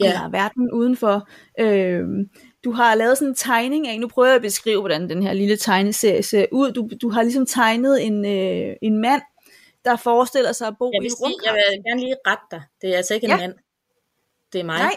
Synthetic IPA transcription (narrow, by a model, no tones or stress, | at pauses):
elɐʋæɐd̥n̩ʔuð̞ˠn̩fɒ̽ | ʔø | d̥uɦɑ̈lɛːð̞̩ˠsɒ̽ne̝nt͡sʰɑ̈ɪne̝ŋæenupʰʁœːʊɐæb̥e̝sɡ̥ʁḭːʊʋɒɾ̥ænd̥enhe̝ɐ̰lilət͡sʰɑ̈ɪnəse̝ɐ̰jse̝ɐ̰ʔuð̞̰ˠd̥ud̥uɦɑ̈lisɒ̽mt͡sʰɑ̈ɪnəð̞̩ˠe̝nøe̝nmæn̰ | d̥ɑ̈fɒːsd̥e̝l̰ɐsɑ̈ɪɒb̥o̝̰ːiʁɔmʰjɑeɡ̥æɐnliːʁad̥̚d̥ɑ̈ɪd̥e̝æɐælsɐe̝ɡ̥emæn̰ | d̥e̝æɐmɑ̈ɪɪ̰